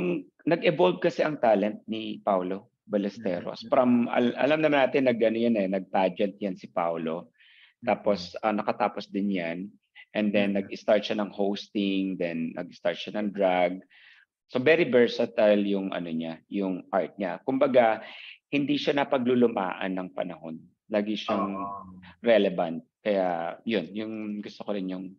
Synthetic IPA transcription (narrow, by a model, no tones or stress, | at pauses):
ʊŋ | nɐɡɛvolb̚kɐsɛʔɐŋt̪aːlɛnt̪̚nɪpawlo | bɐlɛst̪ɛɾo̰spɾɐmʔɐ̰ʔɐ̰lamnɐmanːaːt̪ɪnːɐɡɐnojanɛnɐɡ̚paːd͡ʒɐnt̪̚jansɪpawlo | t̪aːposɐnɐkɐt̪aːposd̪ɪnjan | ʔɛnd̪ɛnːɐɡɪst̪aɹt̪̚ʃanɐŋhowst̪ɪŋd̪ɛnːʔɐ̰ɡ̚ɪst̪aɹt̪̚ʃanɐŋd̪ɹaɡ̚ | sobɛɾɪbɛɹsɐt̪ɐljʊŋʔɐ̰noɲajʊŋʔaɹt̪̚ɲakʊmbɐɡahɪnd̪iʃanɐpɐɡlulʊma̰ːʔɐ̰nːɐŋpɐ̰nɐho̞n | laːɡɪʃaŋ | ɹɛlɛbɐnt̪̚kɐjajonjʊŋɡʊst̪okoɾɪnjʊŋ